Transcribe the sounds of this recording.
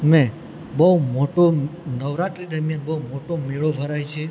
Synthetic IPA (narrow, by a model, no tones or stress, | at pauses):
mɛ̃ | bəumoʈonəʋɾat̪ɾid̪əɾmjanbəɦumoʈomeɭobʱəɾajt͡ʃʰe